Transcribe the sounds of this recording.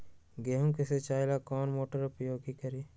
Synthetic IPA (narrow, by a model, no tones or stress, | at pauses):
ɡeɦũkeset͡ʃaːɪlakɔːnmoːʈəɾʊpjoːɡikəɾiː